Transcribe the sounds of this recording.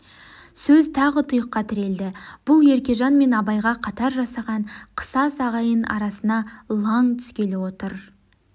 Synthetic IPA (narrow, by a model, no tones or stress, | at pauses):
sɵzt̪ʰɑʁət̪ʰʊjəqːɑt̪ʰɪɾe̞ld̪ɪb̥ʊlˠje̞ɾkʲe̞ʒɑnme̞nɑbɑjʁɑqʰɑt̪ɑɾʒɑsɑʁɑɴqʰə̥sɑsɑʁɑjənɑ̰ɾɑsənɑlˠɑŋt̪ʰʏ̥skʲe̞lɪwo̞t̪əɾ